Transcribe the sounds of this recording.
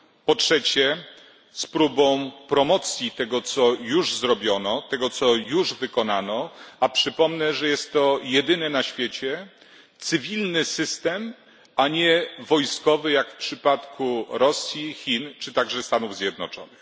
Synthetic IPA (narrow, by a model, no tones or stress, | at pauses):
pɔtʂɛt͡ɕɛ | spɾubɔ̃w̃pɾɔmɔt̪sʲjit̪ɛɡɔt̪sɔjuʐzɾɔbʲjɔnɔt̪ɛɡɔt̪sɔjuʐvɘkɔnanɔapʂɘpɔmnɛʐɛjɛst̪ːɔjɛd̪ɘnɛnaɕfʲjet͡ɕɛ | t̪sɘvʲilnɘsɘst̪ɛm | aɲɛvɔjskɔvɘjakfpʂɘpat̪kʰuɾɔsʲjixʲint͡ʂɘt̪aɡʐɛst̪anuvzʲjɛd̪nɔt͡ʂɔ̰nɘx